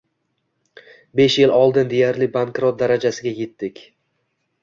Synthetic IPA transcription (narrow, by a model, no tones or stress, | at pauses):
be̞ʃjɪlʔɒlˠd̪ɪnd̪ejaɾlɪbaŋkɾot̪̚d̪aɾad͡ʒasɪɡʲaje̞t̪ːɪkʲ